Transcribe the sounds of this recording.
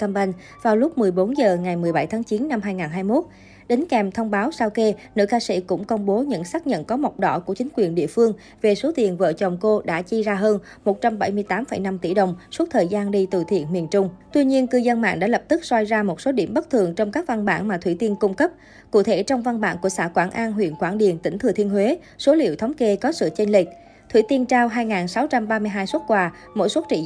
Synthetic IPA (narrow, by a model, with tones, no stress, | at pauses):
ka˧mɓa˧jŋ | vaː˨˩wlʊ˦˥k͡p̚mɨ˨˩əjɓo˨˦nzəː˨˩ŋa˨˩jmɨ˨˩əjɓa˧˩jt̪ʰaː˨˦ŋt͡ɕi˨˦nːa˧mhɦaː˧jŋaː˨˩nɦaː˧jmo˦˥t̚ | ɗï˨˦ŋ̟kɛ˨˩mt̪ʰə˧wŋ͡mɓaː˨˦wsaː˧wke˧nɨ̰˧˥kaː˧sḭ˧˥kʊ̰˧˥ŋ͡mkə˧wŋ͡mɓo˨˦ɲɨ̰˧˥ŋsaː˦˥k̚ɲə̰˧˨nkɔ˨˦mə˨˩wk͡p̚ɗɔ̰˧˥ku˧˩ət͡ɕï˨˦ŋ̟kwi˨˩ənɗḭ˧˨əfɨ˧əŋ | ve˨˩so˨˦t̪i˨˩ənvə̰ː˧˨t͡ɕɔ˨˩wŋ͡mko˧ɗa̰ː˧˥t͡ɕi˧zaː˧ɦəː˧n | mo˨˩t̚t͡ɕa˧mɓa˧˩jmɨ˧əjt̪aː˨˦mfə̰˧˩jna˧mt̪ḭ˧˩ɗə˨˩wŋ͡msu˦˥t̚t̪ʰəː˨˩jzaː˧nɗi˧t̪ɨ̰˧˨t̪ʰḭ˧˨ənmi˨˩ənt͡ɕʊ˧ŋ͡mt̪wi˧ɲi˧ənkɨ˧zə˧nma̰ː˧˨nɗa̰ː˧˥lə˨˩p̚t̪ɨ˦˥k̚swa˧jzaː˧mo˨˩t̚so˨˦ɗḭ˧˩əmɓə˦˥t̚t̪ʰɨ˨˩əŋt͡ɕɔ˧wŋ͡mkaː˦˥k̚va˧nɓa̰ː˧˩nmaː˨˩t̪wi˧˩t̪i˧ənkʊ˧ŋ͡mkə˦˥p̚ | kṵ˧˩t̪ʰe˧˩t͡ɕɔ˧wŋ͡mva˧nɓa̰ː˧˥˨nku˧˩əsa̰ː˧˩kwaː˧˩nʔaː˧nɦwḭ˧˨ənkwaː˧˩nɗḭ˨˩ənt̪ï˧˩ŋ̟t̪ʰɨ˨˩t̪i˧ənɦwe˨˦ | so˨˦lḭ˧˨əwt̪ʰŋ͡mke˧kɔ˨˦sɨ̰˧˨t͡ɕe˧nlï˨˩k̟̚ | t̪ʰwḭ˧˩t̪i˧ənt͡ɕaː˧wɦaː˧jŋaː˨˩nsa˨˦wt͡ɕa˧mɓaː˧mɨ˧əjɦaː˧jsu˦˥t̚kwaː˧ | mo̰˧˥jswə˦˥t̚t͡ɕḭ˧˨